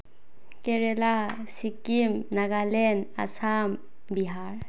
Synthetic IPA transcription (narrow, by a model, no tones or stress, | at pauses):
kɛɾɛla | sikimnaɡalɛna̰sam | biɦaɹ